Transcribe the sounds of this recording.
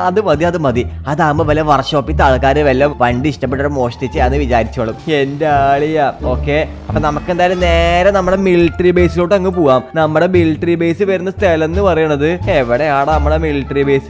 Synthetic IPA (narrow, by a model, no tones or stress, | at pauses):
ɐðɨmɐd̪iɐðɨmɐðiɐðaːmɐʋɐlɐʋɐrɕoːpːit̪aːɭkːaːɾɨʋɐlːɐʋɐɳɖiiʂʈɐpːeʈːoːɽemo̞ːʂtit͡ɕːejaːnːɨʋit͡ɕaːɾit͡ɕːuʋɐːɭume̞ndeaːɭijao̞ːkːeː | ɐpːoːnɐmɐkːe̞nd̪aːjilumne̞ːɾɐnɐmːuɽe̞milːʈːribeːsiloːʈːɐŋːɨpoːɣaːmnɐmːuɽe̞milːʈːribe̞ːsɨʋɐɾunːɐst̪ʰelɐnːɨpɐrɐjuɳːɐðɨeʋiɽe̞aːɽenɐmːuɽemilːʈːɐribe̞ːsɨ̥